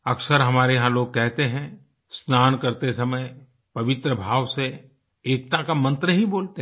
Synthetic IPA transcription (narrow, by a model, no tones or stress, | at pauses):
ɐksəɾɦɐmaːɾeɦãloːɡ̚kɛɦt̪eɦɛ̃ | snaːnkɐɾt̪esɐməj | pɐʋɪt̪ɾəbʱaːʋse | eːk̚t̪akamɐ̃nt̪ɾəɦĩboːlt̪e